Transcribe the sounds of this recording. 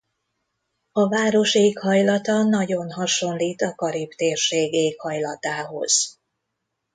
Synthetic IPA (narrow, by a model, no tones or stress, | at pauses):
ɒvaːɾo̞ʃeːkhɒjlɒt̪ɒnɒɟo̞nɦɒʃo̞nliːt̪ɒkɒɾipt̪eːrʃeːɡeːkhɒjlɒt̪aːɦo̞̰z̥